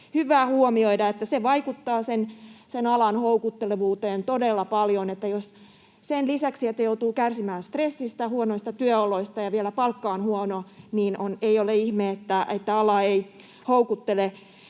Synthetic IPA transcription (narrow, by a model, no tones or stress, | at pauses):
hyʋˑæːhuomioidɑet̪ːæseʋɑikut̪ːɑːsensenɑlɑnhoukut̪ːeleʋuːt̪eːnt̪odelːɑpɑljonet̪ːæjos | senlisæksiet̪ːæjout̪uːkærsimæːnst̪resːist̪ɑhuonoist̪ɑt̪yøoloist̪ɑjɑʋielæpɑlkːɑonhuɔnoniːnoneioleihmeːet̪ːæet̪ːæɑlɑei | houkut̪ːele